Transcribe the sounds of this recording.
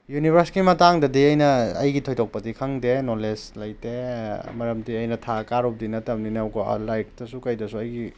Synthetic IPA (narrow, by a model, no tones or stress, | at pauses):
junibʱɐɾskimɐtaŋdɐdiɐjnɐɐ̰jɡitʰojtʰok̚pɐdikʰɐŋdenoleslɐjtemɐɾɐmdiɐjnɐtʰakaɾop̚dinɐtɐmninwɡo̰lajk̚dɐsukɐjdɐsuɐjɡi